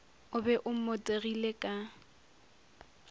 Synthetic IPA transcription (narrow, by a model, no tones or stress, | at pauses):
ʊbɛʔʊm̩motʼerilekʼa